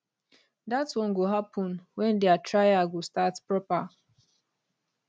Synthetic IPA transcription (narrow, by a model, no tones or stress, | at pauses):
datwɔ̃nɡoɦapʰɔ̃nwɛ̃ndeatɹajaɡustatpɹɔpa